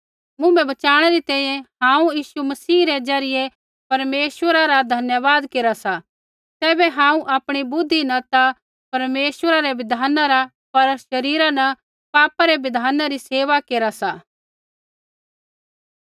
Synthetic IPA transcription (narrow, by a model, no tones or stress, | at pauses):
mʊ̃mbɛ̃bɐt͡ʃaːɽ̃ɛɾit̪ɛ̃ːĩjɛ̃hãːũjiːʃumɐsiːɾed͡ʒɐɾɪje | pɐɾmeːswəɾaɾad̪ʱɐnjəʋaːd̪keːɾasa | t̪ɛːbɛɦãːũʔaːpɽ̃ibʊd̪ʱːinɐt̪a | pɐɾmeːsʋəɾaɾɛʋɪd̪ʱaːnaɾa | pɐɾʃɐɾiːɾanɐ | paːpaɾeʋɪd̪ʱaːnaɾiseːʋakeːɾasa